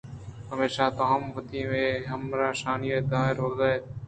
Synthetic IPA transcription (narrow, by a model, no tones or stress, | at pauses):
həmeːʃaːt̪oːɦəmʋət̪iːmẽːɦəmɾaːʃaːnijeːd̪aːɦɪɾɦoːzaːeː